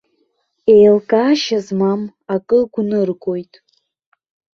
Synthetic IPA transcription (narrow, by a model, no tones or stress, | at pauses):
ejlkʼaːʃazmam | akʼɨɡʷnɨrɡʼojtʼ